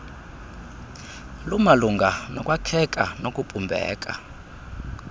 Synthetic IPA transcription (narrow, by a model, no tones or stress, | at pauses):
lumaluŋɡʱanɔkʼwakʰɛkʼanokʼupʼumbʱɛ̰ːkʼa̰